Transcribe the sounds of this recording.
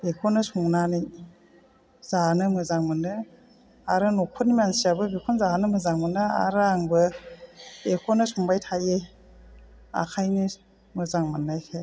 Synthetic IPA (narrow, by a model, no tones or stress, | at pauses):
ekʰɔnɯsuŋnanij | z̥anɯmɯzaŋmɯnɯ | aɾɯnokʰunimansijabɯbikʰɔnzanɯmɯzaŋmɯnɯa̰ɾaŋbɯ | ekʰɔnɯsuŋbajtʰaje | a̰kʰajnɯ | mɯzaŋmɯnːajkʰaj